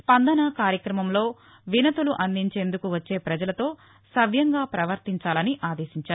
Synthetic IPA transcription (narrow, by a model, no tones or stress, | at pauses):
spɐnd̪ɐnɐkaːɾjɐkɾɐmɐmlo̞ː | ʋinɐt̪uluʔɐnd̪iɲt͡ʃe̞ːnd̪ukuʋɐt͡ʃːe̞ːpɾɐd͡ʒɐlɐt̪o̞ː | sɐʋʱjɐŋɡaːpɾɐʋɐɾt̪iɲt͡ʃaːlɐniʔaːd̪e̞ːʃiɲt͡ʃaːɾu